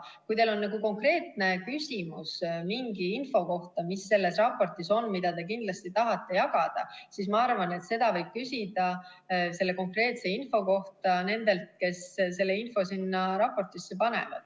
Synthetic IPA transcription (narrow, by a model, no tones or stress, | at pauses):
kujt̪elo̞nːɑɡuko̞ŋkre̞ːt̪ne̞kysʲimusmiŋɡiinfo̞ko̞ht̪ɑmisːe̞lːe̞srɑpːo̞rt̪ˑiso̞nːmid̪̥ɑt̪e̞k̬ind̥̪lɑst̪it̪ɑɦɑt̪ːe̞jɑɡɑd̪̥ɑ̰sismɑɑrvɑne̞t̪se̞d̪̥ɑvɤjb̥̚kysʲid̪̥ɑ | se̞lːe̞ko̞ŋkre̞ːt̪se̞info̞ko̞ht̪ɑne̞nd̪e̞lt̪̚ke̞sse̞lːe̞info̞sinːɑɾɑpːo̞rt̪ˑisːe̞pɑne̞̰vɑ̰d̪̥